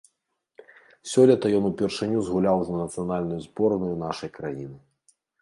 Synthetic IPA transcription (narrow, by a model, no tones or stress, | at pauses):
sʲɔlʲɐt̪ɐjɔnupʲɛrʂɨnʲuzɣulʲawznɐnɐt̪sɨjanalʲnujuzbɔɾɐnujunaʂɐjkɾajinɨ